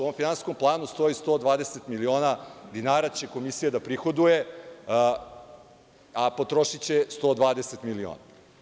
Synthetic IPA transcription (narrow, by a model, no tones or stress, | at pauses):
usoomfinansko̞mplˠaːnust̪o̞ist̪o̞ːd̪ʋaːd̪eset̪milio̞ːnad̪inaːɾat͡ɕe̞ko̞misijad̪apɾixo̞d̪uje̞ | apo̞t̪ɾo̞ʃit͡ɕest̪o̞ːd̪ʋaːd̪eset̪milio̰ːna